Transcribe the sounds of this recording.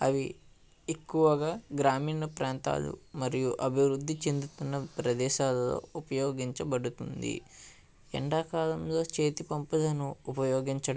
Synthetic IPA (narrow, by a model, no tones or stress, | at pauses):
ɐʋi | ekːuʋɐɡaːɡɾaːmiːnɐpɾaːnt̪a̰ːlṵmɐɾijuʔɐbʱiʋɾud̪ːit͡ʃe̞nd̪ut̪unːɐpɾɐd̪ɛːʃaːlɐto̞̰ːupɐjoːɡiɲt͡ʃɐbɐɽut̪und̪ḭ | ɛ̰ɳɖaːkaːlɐmlo̞ːt͡ʃeːt̪ipɐmpulɐnuːpɐjoːɡiɲt͡ʃɐ